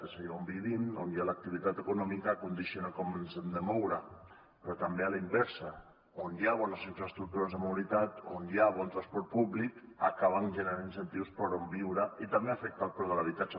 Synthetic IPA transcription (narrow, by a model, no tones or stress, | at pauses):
esajaombiβinonjalak̚t̪iβit̪at̪ekunɔmikakund̪isjonakomnsend̪emɔwɾa | pɾɔt̪ambealaimbɛɾsa | onjaβonasinfɾast̪ɾuk̚t̪uɾazðemawɾit̪at̪onjaβonˠt̪ɾaspɔɾt̪̚puβlika̰kaβ̞anʒenaninsent̪iwspəɾombiwɾait̪ambeafek̚t̪apoɾðəlaβ̞it̪at͡ʃa